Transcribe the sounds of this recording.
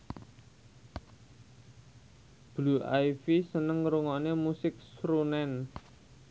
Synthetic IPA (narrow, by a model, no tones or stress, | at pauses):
b̥luʔajfisənəŋɾuŋɔʔnemusɪk̚sɾunɛn